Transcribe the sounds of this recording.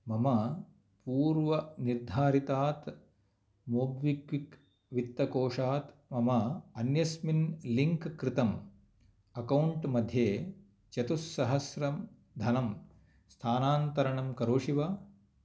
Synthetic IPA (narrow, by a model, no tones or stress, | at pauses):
mɐmɐ | puːɾʋɐniɾd̪ʱaːɾit̪aːt̪ | moːbʋikʋik | ʋit̪ːɐkoːʂaːt̪mɐmɐɐnjɐsminliŋkkɾɪt̪ɐm | ɐkɐwɳʈmɐd̪ʱjeː | t͡ʃɐt̪usːɐɦɐsɾɐm | d̪ʱɐnɐm | st̪ʰaːnaːnt̪ɐɾɐɳɐmkɐɾoːʂiʋɐ